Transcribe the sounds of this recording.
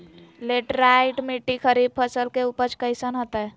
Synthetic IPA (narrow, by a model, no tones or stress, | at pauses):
leʈɾaiʈmiʈːikʰəɾib̚pʰəsəlkeupət͡ʃkəjsənɦot̪ə